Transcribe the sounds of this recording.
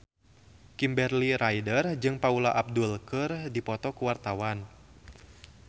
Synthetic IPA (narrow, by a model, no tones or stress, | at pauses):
kimbɛrliɾajdərd͡ʒɨŋpaulaʔap̚dulkərdipɔt̪ɔkuwart̪awan